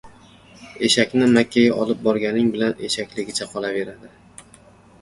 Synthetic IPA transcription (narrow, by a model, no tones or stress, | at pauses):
e̞ʃakʲnɪmakʲʰːajaʔɒlˠɪp̚bɒɾɡʲanɪŋbɪlane̞ʃakʲlɪɡʲɪt͡ʃʰaqʰɒlˠave̞ɾad̪ɪ